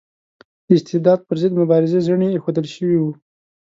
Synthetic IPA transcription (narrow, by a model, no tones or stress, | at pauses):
d̪ɪst̪ɪhd̪ɑd̪̚pəɾzɪd̪mʊbɑɾɪzezəɳeːxod̪əlʃəwiwu